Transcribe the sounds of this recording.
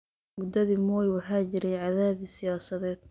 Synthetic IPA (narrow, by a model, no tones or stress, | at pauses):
mʊd̪ɐðiːmɔːjwɑħɑːt͡ʃɪɾɛjʕɑðaːðisɪjaːsɐðɛːd̪̥̚